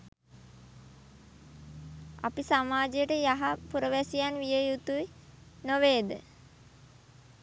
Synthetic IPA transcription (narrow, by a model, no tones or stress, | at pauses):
a̰pisamaːd͡ʒejəʈəjaɦapuɾəʋæsijanʋijəjut̪uʋinoʋeːd̪ə̰